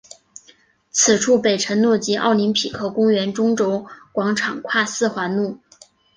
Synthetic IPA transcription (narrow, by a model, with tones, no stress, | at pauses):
t͡sʰɹ̩˨˩ʈ͡ʂʰu˥˩pe˨˩ɪʈ͡ʂʰə˧˥nnu˥˩t͡ɕi˧˥ʔɑ̰˥˩ʊli˧˥ŋpʰi˨˩kʰɤ˥˩kʊ˥ŋɥɛ˧˥nʈ͡ʂʊ˥ŋʈ͡ʂo˧˥ʊkwɑ˧˥ŋʈ͡ʂʰɑ˨˩ŋkʰwa˥˧sɹ̩˥˩xwa˧˥nnu˥˩